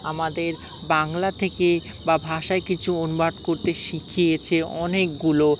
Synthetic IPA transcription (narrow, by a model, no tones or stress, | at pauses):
amad̪eɾ | baŋlat̪ʰeke | babʱaʃaekit͡ɕʰuonubaɖkoɾt̪eʃikʰijet͡ɕʰeɔnek̚ɡulo